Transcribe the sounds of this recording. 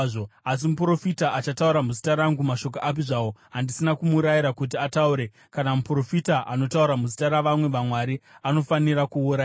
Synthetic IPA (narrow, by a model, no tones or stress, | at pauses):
oas̬imupɾo̞fitaʔat͡ʃatauɾamuzitaɾaŋɡumaʃo̞k̬oʔap̬iʐawo̞ɦandisinakumuɾajiɾakut̬iatauɾe̞ | kanamupro̞fitaʔano̞tauɾamuzitaɾaʋamwe̞ʋamwaɾiano̞fanirakuːra